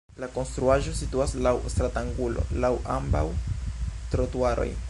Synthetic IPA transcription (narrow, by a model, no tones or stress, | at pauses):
lako̞nst̪ɾuaʒo̞situaslawst̪ɾataŋɡulo̞̰lawamba̰w | t̪ɾotuaɾo̞̰j